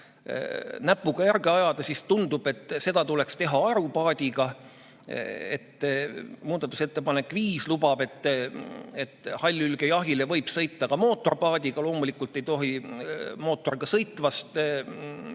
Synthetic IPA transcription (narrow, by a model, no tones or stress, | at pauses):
næpːˑuɡ̥ɑjærɡe̞ɑjɑd̪̥ɑsist̪und̪ub̥e̞t̪ːˑse̞d̪̥ɑt̪ule̞kst̪e̞ɦɑɑɾupɑːd̪̥ʲiɡɑ | ḛt̪ː | muːd̪̥ɑt̪ːˑuse̞t̪ˑːe̞pɑne̞kːˑviːslubɑbe̞t̪ːˑ | et̪ːˑhɑlʲːylɡ̥e̞jɑɦile̞vɤ̞jb̥sɤjt̪ːˑɑkɑmo̞ːt̪ːˑo̞rpɑːd̪̥ʲiɡ̥ɑlo̞ːmulikːˑult̪ˑːe̞jt̪o̞ɦi | mo̞ːt̪ːˑo̞riɡ̥ɑsɤjt̪ːvɑst̪